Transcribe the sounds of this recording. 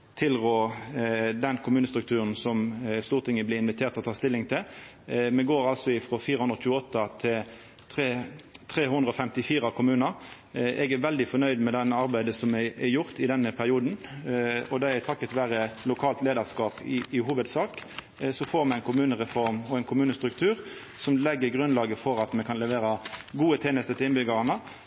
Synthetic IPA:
t̪ʰɪlɡoː | d̪ɛnkʰʊmʉːnəst̪ɾʉkt̪ʰʉːɾənsɔmst̪uːʁt̪ʰɪŋːəbliːɪnʋɪt̪ʰeːɾt̪ɔt̪ɑːʁst̪ɪlːɪŋt̪ʰɪl | mɛɡoːɾɑlsɔɪfʁɔfiːɾəhʊnɾɔt͡ʃʉːəɔt̪ːɑt̪ʰɪl | t̪ʰʁeːt̪ʰʁeːhʉnd̪ʁəɔfɛmt̪ɪfiːɾɑkʰʊmʉːnɑɾ | ʔɛɡæʋɛld̪ɪfɔnœʏd̪mɛd̪ɛnɑɾbæɪd̪əsɔmɛɛjʊɾt̪ɪd̪ɛnːəpʰæɾɪuːd̪n̩ | ɔd̪ɛæt̪ʰɑkːət̪ʋæːɾəlʊkʰɑːlt̪leːd̪əʁskɑːpɪɪɦuːʋəd̪sɑːk | sɔfoːɾmɛæɪnkʰʊmʉːnəʁɛfɔɾmɔɛɪnkʰʊmʉːnəst̪ɾʉkt̪ʰʉːɾ | sɔmlɛɡːəɾɡʁʉnlɑːɡəfɔɾɑt̪mɛkʰɑnlɛʋeːɾəɡuːət̪ʰeːnəst̪ət̪ɪɪnbʏɡɑɾɑnə

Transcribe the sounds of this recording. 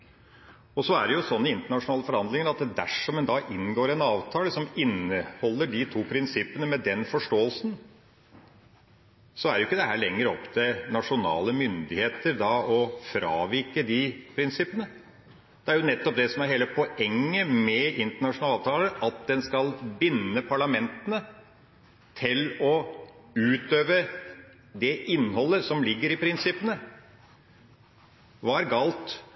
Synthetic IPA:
ɔsɔæɖɛjʊsɔnːəɪnt̪əɳɑʂʊnɑːləfɔɾhɑnd̪lɪŋəɾɑt̪̚ɛd̪æʂɔmːɛnd̪ɑʔɪnːɡoːɾɛnɑːʋt̪ʰɑːləsɔmɪnːəhɔlːəɖɪt̪ʰuːpʰɾɪnsɪpənəmɛd̪ɛnfɔʂʈoːəlsn | sɔæɾjʊɪkːəd̪ɛɦæːɭɛŋːəɾɔpːt̪ʰɪnɑʂʊnɑ̰ːləmʏnd̪ɪheːt̪əɾd̪ɑɔfɾɑ̰ːʋɪɾkəd̪ɪpʰɾɪnsɪpənə | d̪̥ɛæɾjʊnɛt̪ːɔp̚d̪ɛsɔmæɾheːləpʰɔʔɛŋːəmɛɪnt̪əɳɑʂʊnɑlɑːt̪ʰɑːləɾʔɑt̪̚d̪ɛnskɑlbɪnːəpʰɑɭɑmɛnt̪ənə | t̪ʰɪlɔ | ʉːt̪øːʋə | d̪ɛʔɪnːhɔlːəsɔmlɪɡːəɾɪpʰɾɪnsɪpːənə | ʋɑɾɡɑlt̪

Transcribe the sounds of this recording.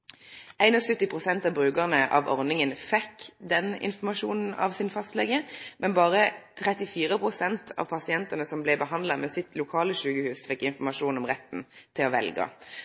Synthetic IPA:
æɪnɔsʉt̪ːɪpʰʁʊsɛnt̪ɑʋbʁʉːɡəʁnəʔɑ̰ʋɔʁnɪŋənfɛkːd̪ɛnɪ̰nfɔmɑʃuːnn̩ɑ̰ʋsɪnfɑst̪lɛɡəmʔɛnbɑːʁət̪ʰʁɛt̪ɪfiːʁəpʰʁʊsɛnt̪ʰɑ̰ʋpʰɑsɪɛnt̪ənəsɔmblɛɪbəɦɑnd̪lɑmɛːsɪt̪lʊkʰɑːləɕʉːɡəhʉːsfɛkːɪnfɔmɑʃuːnɔmʁɛt̪ːn̩t̪ʰɪlɔʋɛ̰lɡɑ̰

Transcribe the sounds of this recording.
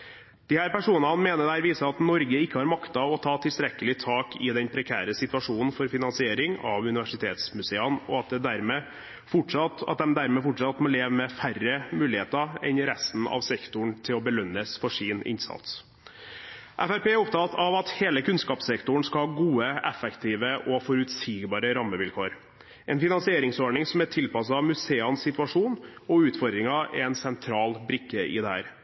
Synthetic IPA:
d̪̥ɪhæːɾpæʂuːnəɑnmeːnəd̪ææːɾʋiːsəɑt̪nɔɾɡəɪkːəhɑɾmɑkt̪ɑʋɔt̪ʰɑːt̪ʰɪlst̪ɾɛkːəlɪt̪ʰɑːkʰɪd̪ɛnpʰɾɛkʰæ̰ːɾəsɪt̪ʉɑʂuːnn̩fɔɾfɪnɑnsɪeːɾɪŋɑ̰ʋʉnɪʋæʂɪt̪ʰḛːt̪smʉseːɑnɔ̰ɑt̪̚d̪ɛd̪æɾmɛː | fʊʈʂɑt̪ɑ̰t̪̚d̪ɛmd̪æɾmɛfʊʈʂɑt̪mɔleːʋəmɛfærəmʉːlɪheːt̪ɑɛ̰nɾɛst̪n̩ɑ̰ʋsɛkt̪ʊɳt̪ʰɪlɔbəlœnːəsfɔʂiːnɪ̰nsɑ̰t̪s | ʔæfæɾpeːæɾɔp̚t̪ʰɑːt̪ɑʋɑt̪heːləkʰʉnskɑːpsɛkt̪ʊɳ̩skɑhɑɡuːəɛfɛkt̪ʰiːʋəʔɔfɔɾʉt̪siːɡbɑːɾəɾɑmːəʋɪlkʰoːɾ | ʔɛnfɪnɑnsɪeːɾɪŋsɔɳɪŋsɔmæʈʰɪlpɑs̬ɑmʉseːɑnssɪt̪ʉɑʂuːnɔʉːt̪fɔɾd̪ɾɪŋɑɛ̰ɛnsɛnt̪ʰɾɑːlbɾɪkːəɪ̰d̪ɛhæ̰ːɾ

